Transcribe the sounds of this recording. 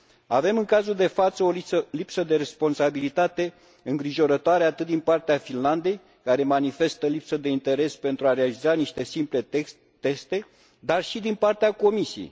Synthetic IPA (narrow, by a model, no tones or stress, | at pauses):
ave̞mɨŋkazuld̪e̞fat̪səoisəlipsəd̪e̞ɾe̞spo̞nsabilit̪at̪e̞ | ɨŋɡɾiʒo̞ɾət̪oaɾe̞at̪ɨt̪̚d̪inpart̪eafinland̪e̞j | kaɾe̞manife̞st̪əlipsəd̪e̞int̪e̞ɾe̞spe̞nt̪ɾuaɾealizaniʃt̪e̞simple̞e | t̪e̞st̪e̞ | d̪arʃid̪inpart̪eako̞misijḛj